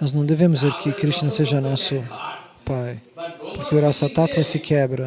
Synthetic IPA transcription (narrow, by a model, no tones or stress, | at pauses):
nɔznɐ̃w̃d̪evẽmʊzzeɾkʰɪkɾiʃt͡ʃinɐseʒɐnɔsʊ | pajpʊɾkɪʊɾɔsɐt̪at̪vɐsɪkʰɛbɾɐ